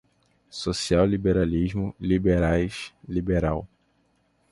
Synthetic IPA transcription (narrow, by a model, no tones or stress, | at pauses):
sosiawlibeɾaliʒmʊlibeɾajʃlibeɾaw